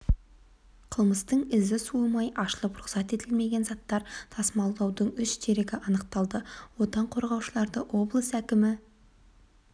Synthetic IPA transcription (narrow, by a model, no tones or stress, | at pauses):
qʰəlˠməst̪əɴɪzɪsumɑjʔɑʃlˠəpɾʊχsɑt̪e̞t̪ɪlme̞ɡʲe̞nzɑt̪ːɑɾt̪ʰɑsmɑlˠd̪ɑwd̪əɴʏʃt̪ʰe̞ɾeɡʲɪʔɑnəq̚t̪ɑlˠd̪əwo̞t̪ɑɴqʰo̞ɾʁɑwʃəlˠɑɾd̪əʔwʔo̞blˠəsækʲɪmɪ